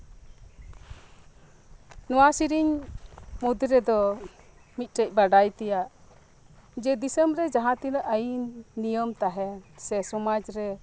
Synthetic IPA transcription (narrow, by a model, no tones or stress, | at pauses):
nɔwasiɾiɲ | mud̪iɾɛd̪ɔ | mit̪̚ˀʈəc̚baɖajt̪ɛjaʔ | d͡ʒɛd̪isəmbɾɛd͡ʒaɦãt̪inəʔəjinijəmt̪aɦɛsɛsɔmad͡ʒɾɛ